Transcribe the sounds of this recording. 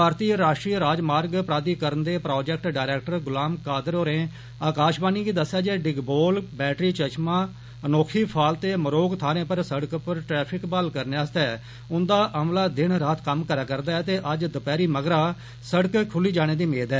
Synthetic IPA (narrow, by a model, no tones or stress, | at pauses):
paːɾt̪iːɾaːʃʈɾiːɾaːd͡ʒmaːɾɡpɾaːd̪iːkəɾənd̪eːpɾoːd͡ʒɛk̚ʈɖaːɾɛːk̚ʈəɾɡʊlaːmkaːd̪əɾoːɾẽː | aːkaːʃbaːniːɡiːd̪əsːaːd͡ʒeːɖɪɡboːlbɛːʈɾiːt͡ʃət͡ʃmãː | ənoːkʰiːpʰaːlt̪eːməɾoːɡt̪ʰaːɾẽːpəɾsəɽəkpəɾʈɾɛːpʰɪkbəlkəɾneaːst̪ɛː | ʊnd̪aːʔəmlaːd̪ɪɳɾaːt̪ʰkəmkəɾaːkəɾd̪aːɛːt̪eːʔəd͡ʒd̪əpɛːɾiːməɡɾaː | səɽəkkʰʊliːd͡ʒaːɽ̃eːd̪iːmeːd̪ɛː